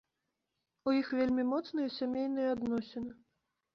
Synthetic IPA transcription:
ujixvʲelʲmʲimɔt̪snɨjɐsʲamʲejnɨjɐad̪nɔsʲɛnɨ

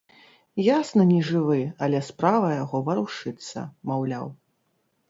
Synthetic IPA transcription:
jasnɐnʲɛʐɨvɨɐlʲɛspɾavɐjaɣɔvɐɾuʂɨt̪sːɐ̰mawlʲa̰w

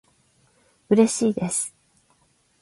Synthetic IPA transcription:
ɯ̟ɾe̞ɕiːd̪e̞sɨ̥

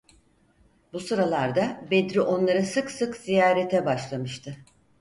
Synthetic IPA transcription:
busɯɾalˠaɾd̪abed̪ɾiʔo̞nlˠaɾɯsɯksɯkz̥ijaːɾet̪ʰɛbaʃlˠamɯʃt̪ʰɯ

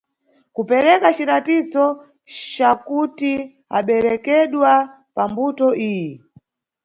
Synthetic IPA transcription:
kupɛɾɛkat͡ʃiɾatizɔ | t͡ʃakuti | a̰ɓɛɾɛkɛɗwa | pambutɔʔiːji

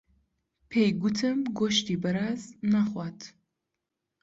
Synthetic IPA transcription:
pʰejɡutʰɨmɡoʃtiːbɐɾaːznaχʷatʰ

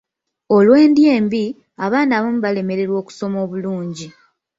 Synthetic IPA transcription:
o̞lwe̞ːndje̞ːmbi | aβaːndaβomuβale̞me̞ɾe̞ɾwo̞ːku̥so̞mo̞ːβuluːɲɟi

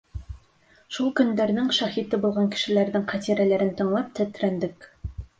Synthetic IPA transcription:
ʃulˠkɵ̆nd̪æɾnɘŋʃɑχit̪ɘbulˠʁɑŋkɘ̥̆ʃɘ̆læɾðɘŋqʰɑt̪iɾælæɾɘnt̪ɤ̆ɴlˠɑp̚t̪ʰæt̪ɾænd̪ɘk

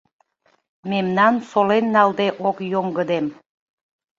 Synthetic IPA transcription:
memnɑnsolenːɑld̪eʔokjoŋɡəd̪em

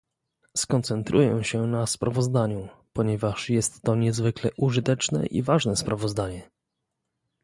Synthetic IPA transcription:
skɔnt̪sɛnt̪ɾujɛ̃ɕɛnaspɾʔavɔzd̪aɲupɔɲɛvaʂjɛst̪ːɔɲɛzvɘklɛʔuʐɘt̪ɛt͡ʂnɛ̰ʔḭvaʐnɛspɾavɔzd̪aɲɛ

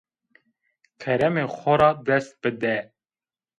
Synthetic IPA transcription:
kʰɛɾɛmexʷɔɾɑːd̪ɛst̪̚bɨd̪ɛ

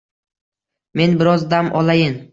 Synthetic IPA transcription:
me̞nbɪɾɒzd̪amʔɒlajɪn

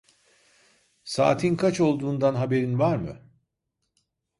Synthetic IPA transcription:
sa̰ːt̪ʰinkʰat͡ʃo̞lˠd̪uːnd̪anɦabe̞ɾinvaɾmɯ̰

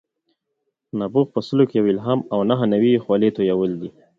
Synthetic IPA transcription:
nabuɣpəsəlokejawɪlɦamawnaɦənawixwalit̪ojawəld̪i

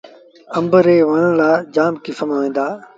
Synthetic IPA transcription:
əmbəɾeːʋənə̃ːlaːd͡ʒaːmkɪfəmaːʋẽːd̪aː

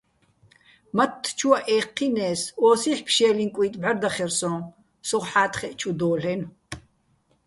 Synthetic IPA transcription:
mɐt̪ʰːt͡ʃʰuɐʔɛːqʰːinɛːsɔːsiħpʰʃɛːlinkʷʼiːt̪ʼbɐrd̪ɐχɛrsɔ̃ | sɔʁħaːt̪ʰχɛʔt͡ʃʰʼud̪oːɬɛn

